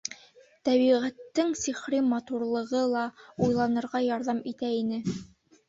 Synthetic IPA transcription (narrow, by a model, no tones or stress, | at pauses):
t̪æβiʁæt̪ːɘŋsiχɾimɑt̪uɾlˠɤ̆ʁɤlˠɑujlˠɑnɤ̆ɾʁɑjɑɾðɑmit̪æinɘ